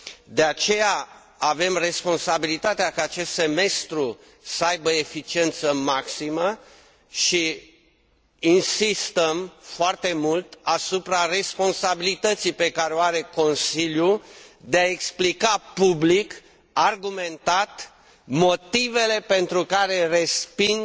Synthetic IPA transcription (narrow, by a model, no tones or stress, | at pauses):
d̪e̞at͡ʃe̞ja | ave̞mre̞spo̞nsabilit̪at̪eakaːt͡ʃe̞st̪se̞me̞st̪ɾu | səajbəefit͡ʃie̞nt̪səmaksimə | ʃi | insist̪əmfoart̪e̞mult̪asupɾare̞spo̞nsabilit̪ət̪sijpe̞kaɾeoaɾe̞ko̞nsiljud̪eae̞ksplikapublik | arɡume̞nt̪at̪ | mo̞t̪ive̞le̞pe̞nt̪ɾukaɾe̞respin